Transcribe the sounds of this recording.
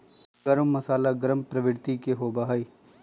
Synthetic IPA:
ɡəɾəmːɐsaːlaɡəɾəmpɾɐʋɪɽt̪ikeɦoːbaɦaiː

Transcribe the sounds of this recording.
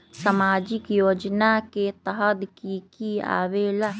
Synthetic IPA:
səmaːd͡ʒɪkjoːd͡ʒnaket̪əɦəd̪kikia̰ːʋeːla

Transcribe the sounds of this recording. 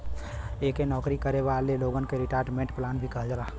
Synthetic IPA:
ekenɔːkɾikəɾeʋaleloɡənkeɾiʈaːɾʈmẽɳʈplanbʱikəɦd͡ʒala

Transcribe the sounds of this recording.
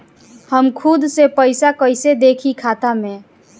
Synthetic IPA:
həmkʰud̪sepəɪsakəɪsed̪ekʰikʰat̪ame

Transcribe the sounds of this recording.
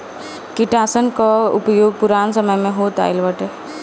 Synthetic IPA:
kɪʈaːsənkaʊ̰pjoːɡ̚pʊɾaːnsəməjmẽɦoːt̪a̰ːɪlʋəʈe

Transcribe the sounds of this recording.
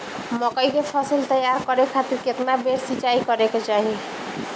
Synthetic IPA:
məkəjkepʰəsəlt̪əjːaɾkəɾekʰat̪iɾket̪nabeɾsit͡ʃaikəɾeket͡ʃaɦi

